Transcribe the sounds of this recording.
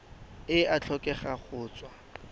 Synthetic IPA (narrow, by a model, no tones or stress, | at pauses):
ɪat͡ɬʰɔkʼɛχaχʊːt͡swa